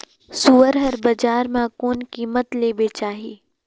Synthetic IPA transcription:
suːəɾɦɐɾbɐd͡ʒaːɾmãkoːnkiːmət̪leːbeːt͡ʃaːɦiː

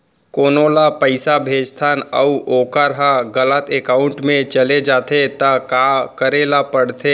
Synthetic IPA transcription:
koːnolapəɪsabʱeːd͡ʒt̪ʰaːnəuoːkəɾɦaɡələt̪ekaːʊ̃ɳʈmẽt͡ʃɐled͡ʒaːt̪et̪ɐkaːkəɾeːlapəɽt̪ʰe

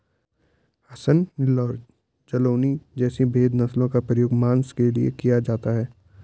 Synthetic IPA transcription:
hɐsənlɔːɾ | d͡ʒɐloːnid͡ʒɛːsibʱeːd̪nɐslõkapɾəjoːɡmãːnskeliḛkijad͡ʒaːt̪aɦɛː

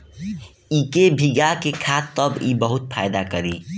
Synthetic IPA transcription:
ikebʱiɡakekʰat̪ːəbibəɦut̪pʰajd̪akəɾi

